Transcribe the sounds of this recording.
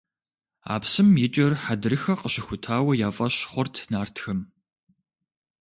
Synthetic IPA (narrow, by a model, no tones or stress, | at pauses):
a̰ːpsɨmjɪt͡ʃʼɐrħadɨɾɨxɐqəɕɪxʷʊtʰaːwɐjaːfʼɐɕχʷɔrtʰnaːrtʰxɐm